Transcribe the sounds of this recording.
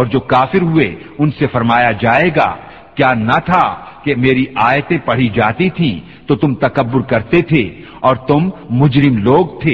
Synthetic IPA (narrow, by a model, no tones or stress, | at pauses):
ɔːɾd͡ʒoːkaːfɪɾɦʊe | ʊnsefɐɾmaːjad͡ʒaːeːɡa̰ː | kjaːnɐt̪ʰa | kemeːɾiaːjt̪ẽpɐɽ̤id͡ʒaːt̪it̪ʰĩ | t̪ot̪ʊmt̪ɐkɐbːʊɾkɐɾt̪et̪ʰe | ɔːɾt̪ʊmːʊd͡ʒɾɪmloːɡ̚t̪ʰeː